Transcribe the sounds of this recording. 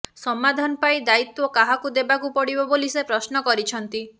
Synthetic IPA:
sɔmad̪ʱanɔpaid̪ait̪wɔkaɦakud̪ebakupɔɽibɔbolisepɾɔsnɔkɔɾit͡ʃʰɔnt̪i

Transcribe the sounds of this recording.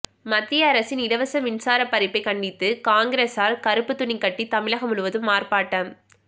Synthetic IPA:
mɐt̪ːɪjɐːɾɐsɪnɪɽɐʋɐsɐʋɪnsaːɾɐpːɐɾɪpːɐɪkɐɳɖɪt̪ːɯkaːŋɡɪɾeːsaːɾkɐɾɯpːɯt̪ːʊɳikːɐʈːit̪ɐmɪɭɐɣɐmʊɭɯʋɐðɯmːaːɾpaːʈːɐːn

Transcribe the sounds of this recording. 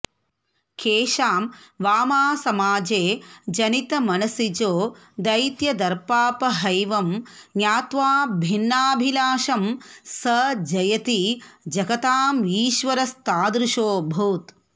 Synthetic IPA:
keːʃaːmʋaːmaːsɐmaːd͡ʒeːd͡ʒɐnit̪ɐmɐnɐsid͡ʒoː | d̪ɐjt̪jɐd̪ɐɾpaːpɐɦɐjʋɐmnjaːt̪ʋaːbʱinːaːbʱilaːʃɐmsɐd͡ʒɐjɐt̪id͡ʒɐɡɐt̪aːmiːʃʋɐɾɐst̪aːd̪ɾuʃoːbʱuːt̪

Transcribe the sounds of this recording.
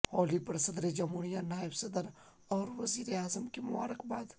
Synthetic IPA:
hɔːlipɾɐsəd̪ɾed͡ʒɐmuɽ̃ijanaːjəbsɐd̪əɾ | ɔːɾʋɐziːɾeaːzəmkemʊwa̰ːɾəkbaːd̪

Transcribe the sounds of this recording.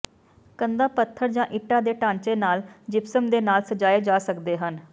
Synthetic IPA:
kənd̪aːpət̪ʰːəɾd͡ʒãːʔɪʈːaːd̪eːʈãːɲt͡ʃeːnaːld͡ʒɪpsəmd̪eːnaːlsəd͡ʒaːeːd͡ʒaːsəkd̪eːɦən

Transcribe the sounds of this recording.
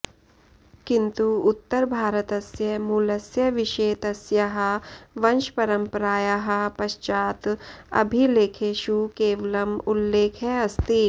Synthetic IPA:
kɪ̃nt̪uʊt̪ːəɾbʱaːɾət̪ɐsjɐmuləsjɐʋɪʃeːt̪ɐsjɐɦɐʋɐnʃpɐɾə̃mpɾaːjaɦɐpɐʃt͡ʃaːt̪ɐ̰bʱileːkʰeʃukeːʋləmʊlːeːkʰɦɛɐst̪i

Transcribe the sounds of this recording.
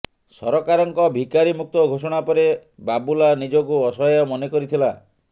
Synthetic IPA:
sɔ̰ɾɔkaɾɔŋkɔbʱikaɾimuk̚t̪ɔɡʱosɔɽ̃apɔɾebabulanid͡ʒɔkuɔsɔjɔmɔnekɔɾit̪ʰila

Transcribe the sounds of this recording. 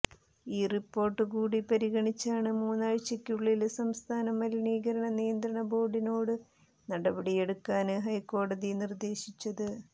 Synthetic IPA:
iːripːo̞ːrʈːɨkuːɽipɐɾiɣɐɳit͡ɕːaːɳɨmuːnːaːɻt͡ɕːɐkʲːuɭːilsɐmst̪ʰaːnɐmɐliniːɣɐɾɐɳɐnijɐnd̪ɾɐɳɐbo̞ːɽino̞ːɽɨ | nɐɽɐbɐɽije̞ɽukːaːnɨɦɐjkːo̞ːɽɐðinird̪e̞ːɕit͡ɕːɐðɨ

